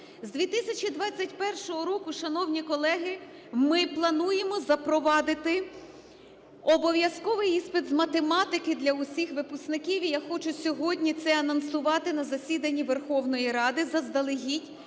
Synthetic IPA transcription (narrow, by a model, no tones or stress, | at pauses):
zd̪ʲʋʲit̪isʲɐt͡ʃʲid̪ʋɑt͡sʲːɐtʲpɛrʃɔɦɔɾɔkʊʃɐnɔwnʲikɔlˠɛɦɪ | mɪplˠɐnujemɔzɐpɾɔʋɑd̪ɪt̪ɪ | ɔbɔʋʲjɐskɔʋɪjispɪd̪zmɐt̪emɑt̪ɪkɪd̪lʲɐʊsʲixʋɪpʊsknɪkʲiwʲijaxɔt͡ʃʊsʲɔɦɔdʲnʲit̪sɛɐnɐnsʊʋɑt̪ɪnɐzɐsʲid̪ɐnʲːiʋerxɔwnɔjiɾɑd̪ɪzɐzd̪ɐlˠɪɦʲitʲ